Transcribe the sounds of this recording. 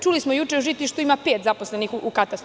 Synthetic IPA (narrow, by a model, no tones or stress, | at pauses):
t͡ʃulismojut͡ʃeuʒit̪liʃt̪uimapeːt̪zapo̞sle̞nixukat̪ast̪